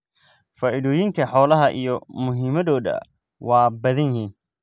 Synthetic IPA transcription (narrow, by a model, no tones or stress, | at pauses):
faːʔɪðɔːjɪŋk̪ʰɐħɔːlɐɦɐʔijɔmʊɦiːmɐðɔːðɐ̰ | wɑːbɐðɐnjiːn